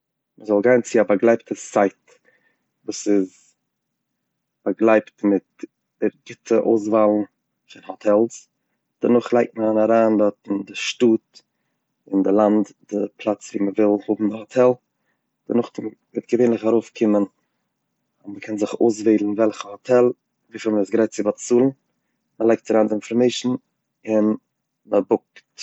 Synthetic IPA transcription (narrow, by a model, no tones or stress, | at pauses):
məzɔlˠɡaɪnt͡sɪabaɡlˠaɪptʰəsaɪt | vuːsɪz | b̥aɡlˠaɪptmɪt̚ | ɛɾɡɪtʰəʔoʊs̬valˠn̩ | fɪnhɔtʰɛlˠs | d̥ənʊχlˠaɪk̚t̚məanaɾaːndɔtɪndɪʃtuːt | ɪndɪlˠandd̥ɪpʰlˠat͡sviːməvɪlˠhʊbm̩dɪhotʰɛlˠ | d̥ənʊχmɪtɡ̥əveːnlɪχaɾoʊfkʰɪmən | ʊməkʰɛnzɪχo̰ːs̬veːdln̩vɛlˠχəhotʰɛlˠ | viːfilˠməɪsɡɾaɪt̚t͡sɪbatt͡suːlˠn̩ | məlˠaɪk̚taɾaːndɪɪnfɔɾmeɪʃn̩ | ɪn | məbʊk̚t